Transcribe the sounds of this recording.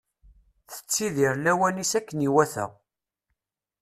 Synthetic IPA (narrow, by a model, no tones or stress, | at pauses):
θə̥t͡sːiðiɾlæwænisækːəniwæθæ̰ʁ